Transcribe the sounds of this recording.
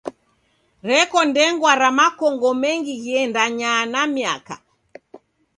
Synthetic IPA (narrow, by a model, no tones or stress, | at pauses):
ɾɛkɔndɛŋɡwaɾamakɔŋɡɔmɛŋɡiɣiɛndaɲanamiaka̰